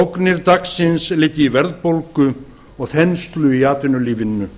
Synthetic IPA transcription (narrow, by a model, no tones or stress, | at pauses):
owknɪɾt̪aksɪnslɪːc̪ːɪivɛɾðpolkʏ | ɔɣθɛnst̪lʏiaːt̪vɪnːʏliːvɪnːʏ